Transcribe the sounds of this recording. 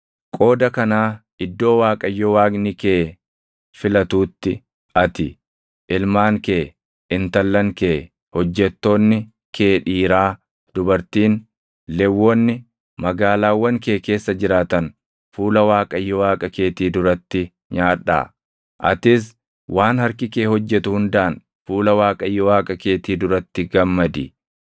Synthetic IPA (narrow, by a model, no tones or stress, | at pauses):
kʼo̞ːd̪ɐkɐnaː | ɪd̪ːo̞ːwaːkʼɐjːɔwaːɡnɪkeː | fɪlɐt̪uːt̪ːɪ | ɐt̪ɪ | ʔɪlmaːŋke̞ː | ɪnt̪ɐlːɐŋke̞ː | hɔd͡ʒːɛt̪ːo̞ːnːɪ | kʰeːᶑiːɾaː | d̪̥ʊbɐɾt̪iːn | lɛwːɔnːɪ | mɐɡaːlaːwːɐŋke̞ːke̞ːsːɐd͡ʒɪɾaːt̪ɐn | fuːlɐwaːkʼɐjːɔwaːkʼɐke̞ːt̪iːd̪ʊɾɐt̪ːɪ | ɲaːᶑːa̰ː | ʔɐ̰t̪ɪs̬ | wʔaːnhɐɾkɪkeːhɔd͡ʒːɛt̪ʊhʊnd̪aːn | fuːlɐwaːkʼɐjːɔwaːkʼɐke̞ːt̪iːd̪ʊɾɐt̪ːɪɡɐmːɐd̪ɪ